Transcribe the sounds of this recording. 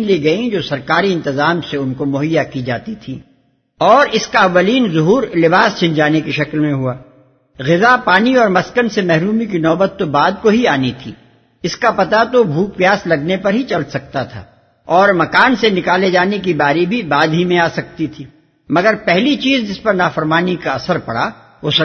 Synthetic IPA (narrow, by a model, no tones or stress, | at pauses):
nliɡɐĩd͡ʒoːsɐɾkaːɾiɪ̃nt̪ɪzaːmseʊnkomʊɦəjːakid͡ʒaːt̪it̪ʰiː | ɔːɾɪskaɐʋːəliːnzʊɦuːɾlɪbaːst͡ʃʰɪ̃ɲd͡ʒaːnekiʃɐklmẽɦuaː | ɣɪzapaːniɔːɾmɐskənsemɛɦɾuːmikinɔːbət̪ːobaːd̪̚koɦiaːnit̪ʰḭː | ɪskapɐt̪at̪obʱuːk̚pijaːslɐɡnepɐɾɦit͡ʃɐlsɐk̚t̪at̪ʰa̰ː | ɔːɾmɐkaːnsenɪkaːled͡ʒaːnek̬ibaːɾibʱibaːd̪ɦimẽaːsɐk̚t̪it̪ʰiː | mɐɡəɾpɛɦlit͡ʃiːzd͡ʒɪspɐɾnaːfəɾmaːnikaɐsəɾpɐɽ̤a | ʊs